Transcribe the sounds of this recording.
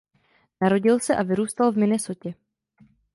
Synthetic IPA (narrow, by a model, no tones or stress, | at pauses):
naɾo̞ɟɪlsɛʔavɪɾuːst̪alvmɪnɛso̞cɛ